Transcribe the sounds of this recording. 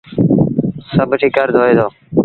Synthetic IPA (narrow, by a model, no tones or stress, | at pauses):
səbʱʈʰiːkəɾd̪ʱoːeːd̪oː